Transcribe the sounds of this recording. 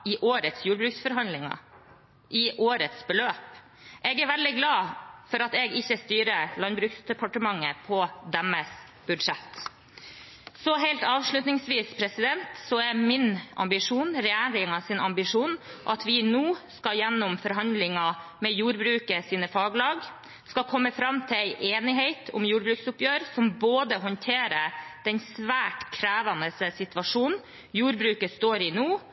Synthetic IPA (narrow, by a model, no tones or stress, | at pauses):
ɪʔoːɾət̪sjuːɾbɾʉːksfɔɾɦɑnd̪lɪŋɑ̰ | ʔɪʔoːɾət̪sbəløːp | ʔɛːɡæɾʋæld̪ɪɡlɑːfɔɾɑt̪ɛɡɪçːəst̪yːɾəlɑnbɾʉːksd̪ɛpʰɑʈəmɑŋːəpʰɔd̪ɛmːəs | b̥ʉd̪ʂɛt̪ | sɔɦeɪlt̪ɑːʋʂɭʉt̪nɪŋsʋiːspʰɾɛsɪd̪ɛnt̪sɔɛmɪnʔɑ̰mbɪʂuːnɾɛjæːɾɪŋɑsɪnɑmbɪʂuːnʔɑt̪ʰʋɪnuːskɑjɛnːʊmfɔɾɦɑnd̪lɪŋɑmɛjuːɾbɾʉːkəsiːnəfɑːɡlɑːɡ | skɑkʰɔmːəfɾɑmːt̪ʰɪlæɪʔeːnɪɦeɪt̪ʰʊ̰mjuːɾbɾʉːksʊpjøːɾsɔmboːd̪əɦɔnt̪ʰeːɾəd̪̥ɛnsʋæːʈkʰɾæːʋɑnəsəsɪt̪ʋɑʂuːnn | juːɾbɾʉːkəst̪oːɾɪnuː